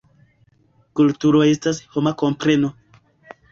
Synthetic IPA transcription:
kultuɾo̞e̞stasho̞mako̞mpɾe̞no̞

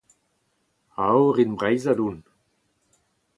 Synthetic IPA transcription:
awʁinbʁajzadun

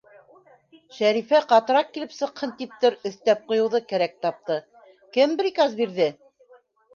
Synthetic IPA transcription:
ʃæɾifæqɑt̪ɤ̆ɾɑq̚kilɘpsɤ̆qhɤnt̪ip̚t̪ɘɾɵ̆θt̪æp̚qŏjɤ̆wðɤkæɾæk̚t̪ɑp̚t̪ɤ | kɘmbɾikɑzbiɾðɘ

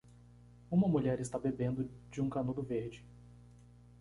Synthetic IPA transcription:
ũmɐmuʎɛɾɪst̪abebẽnd̪ʊd͡ʒɪũkanud̪ʊveɾd͡ʒɪ

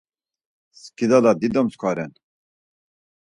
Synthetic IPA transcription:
skid̪alad̪id̪əmskʷʰaɾɛn

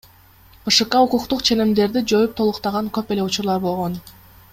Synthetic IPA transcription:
bɯʃɯqːɑuquqt̪uqt͡ʃʰe̞nemd̪e̞ɾd̪id͡ʒo̞jup̚t̪ʰo̞lˠuqt̪ɑʁɑŋkøpe̞le̞ut͡ʃuɾlˠɑɾbo̞lˠʁo̞n

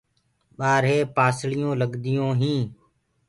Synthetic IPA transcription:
ɓaːɾɦeːpaːsɭɪjõːləɠd̪ɪjõːɦĩː

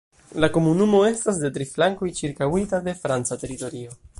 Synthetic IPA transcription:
lako̞munumo̞e̞stasde̞tɾiflaŋko̞jt͡ʃiɾkawitade̞fɾant͡sate̞ɾito̞ɾio̞

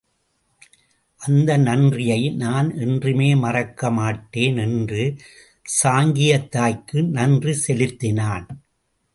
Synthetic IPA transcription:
ʔɐnd̪ɐnɐndrɪjɐɪnaːnʔɛndrɯmeːmɐrɐkːɐmaːʈːeːnɛndrɯ | saːŋɡɪjɐt̪ːaːjkːɯnɐndrisɛlɪt̪ːɪnaːn

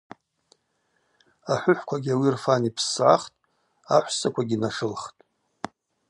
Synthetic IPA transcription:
aħʷʊħʷkʷʰaɡʲawirfanipʰsʕaχtʼ | aħʷsakʷʰaɡʲinaʂɨlχtʼ

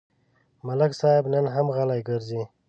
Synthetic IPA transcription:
maləksɑːɪbnənɦamɣalajɡəɾzi

